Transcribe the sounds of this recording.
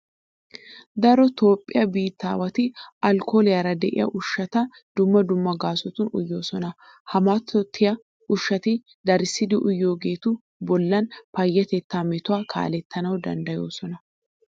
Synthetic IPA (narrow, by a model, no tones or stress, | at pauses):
d̪ɐɾɔt̪o̞ːpʼːɪjɐbiːt̪ːa̰ːwɐt̪ɪʔɐlkʰo̞ːlɪjɐɾɐd̪ɛʔɪ̰jɐ̰ʔʊʃːɐt̪ɐ | d̪̥ʊmːɐd̪ʊmːɐɡaːsɔt̪ʊnʊ̰jːo̞ːsɔnɐ | hɐmaːt̪ʰːɔt̪ʰːɪjɐ | ʊʃːɐt̪ɪ | d̪ɐɾɪsːɪd̪ɪʔʊjːo̞ːɡe̞ːt̪ʊ | bɔlːɐnpɐjːɐt̪ɛt̪ːaːmɛt̪ʊaːkʰa̰ːlɛt̪ʰːɐnɐwd̪ɐ̰nd̪ɐjo̞̰ːsɔnɐ